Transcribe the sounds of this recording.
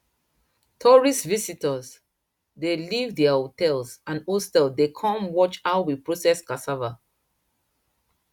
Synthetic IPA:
tʰɔɹisvisitəz | delivdɛahotɛlsãnostɛldekʰɔ̃mwɔt͡ʃawwipɹosɛskasava

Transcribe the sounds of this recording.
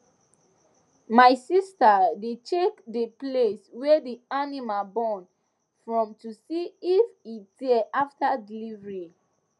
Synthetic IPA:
majsistadetʰekdəpleswɛdianimabɔ̃n | fɹɔ̃mtusiifidɛʔaftadilivɹi

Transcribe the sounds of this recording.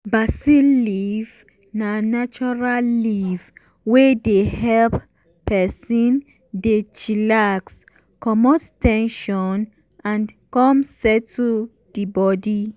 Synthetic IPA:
basiliv | nanat͡ʃɔɹalːiv | wedehɛlp | pɛsĩn | det͡ʃilaks | kɔmɔttɛ̃nʃɔn | ãnkɔ̃msɛtʰu | d̥ibɔdi

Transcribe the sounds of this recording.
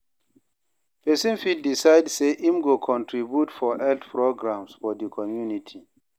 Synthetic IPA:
pɛsĩnfid̚disajdseʔimɡokʰɔ̃ntʰɹibjutfɔʔɛltpʰɹoɡɹãmsfɔdikʰɔmjunitʰi

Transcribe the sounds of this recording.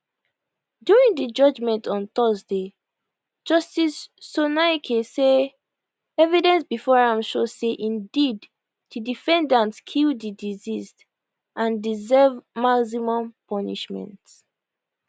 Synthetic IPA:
djuɹĩŋdid͡ʒɔd͡ʒmɛ̃ntɔ̃nt̪ɔzde | d͡ʒɔstisːonakʰese | ɛvidɛ̃nsbifɔɹaɪmʃoseʔĩndid | dudifɛ̃ndãntskʰildidizist | ʔãndizɛvmaks̬imɔ̃mpɔnḭʃmɛ̰̃nt

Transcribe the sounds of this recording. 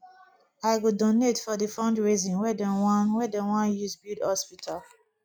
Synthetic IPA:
aɪɡodonetfɔdifãndɹezĩnwɛdɛ̃wãnwɛdɛwãnjuzbidhɔspitʰal

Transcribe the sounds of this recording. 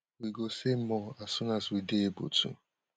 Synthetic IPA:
wiɡosemɔasʊnaswideebo̰tṵ

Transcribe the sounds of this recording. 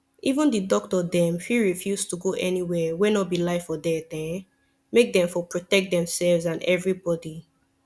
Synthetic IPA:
ivũndidɔk̚tɔdɛ̃mfiɹifjuztuɡoʔɛniwɛwɛnɔbilaɪfɔdɛtɛ̃ | mek̚dɛ̃ɱfɔpɹotɛk̚t̚dɛ̃msɛlvzãnɛvɹibɔdi

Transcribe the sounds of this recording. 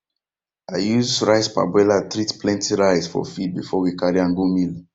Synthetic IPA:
aɪjuzɹaɪspa̰bwɛlatɹitplɛ̃ntiɹaɪsfɔ̰fid̚bifɔwikaɹiãŋɡomil

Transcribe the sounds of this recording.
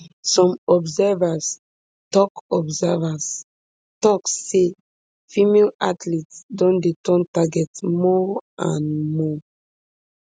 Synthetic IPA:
sɔ̃mɔbzɛvas | tɔkɔbzɛvas | tɔkse | fimelatlitsdɔ̃ndetɔ̃ntaɡɛtmɔã̰nmɔ

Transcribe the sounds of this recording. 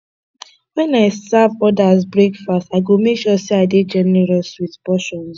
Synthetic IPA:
wɛ̃naɪsavɔdazbɹekfastaɪɡomekʃɔseaɪded͡ʒɛnɛɹɔswiðpɔʃɔ̃ns

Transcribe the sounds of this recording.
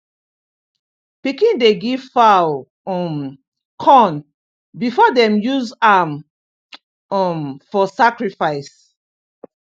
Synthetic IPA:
pikĩndeɡiv̥faw | ɔm | kʰɔ̃n | bifɔdɛ̃mjuzam | ɔmfɔsakɹifaɪs

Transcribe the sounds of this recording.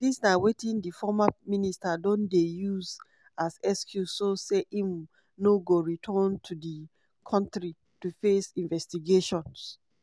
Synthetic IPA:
disnawetĩndifɔmaministadõndejuz | azɛskʰjusoseʔĩm | noɡoɹitʰɔntʰudi | kʰɔ̃ntɹi | tufesĩnvɛstiɡeʃɔ̃ns

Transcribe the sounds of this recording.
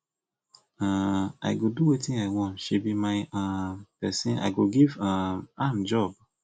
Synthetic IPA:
ãa̰ɪɡoduwetĩnaɪwɔ̃ntʃibimaɪãpɛsĩna̰ɪɡoɡivããmd͡ʒɔb̚

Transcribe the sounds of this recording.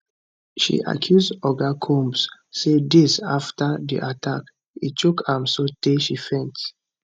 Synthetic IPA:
ʃḭʔa̰kʰjusdɔɡakʰõmbsː | edisa̰ftadḭʔatʰak | ḭt͡ʃukãmsoteʃifɛ̃nt

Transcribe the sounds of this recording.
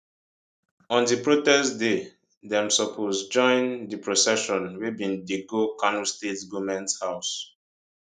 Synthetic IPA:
ɔ̃ndipɹotɛstde | dɛ̃msɔpʰosd͡ʒɔ̃ɪ̃ndipɹosɛʃɔ̃nwebĩndiɡokãnustetɡomɛ̃nthaʊs

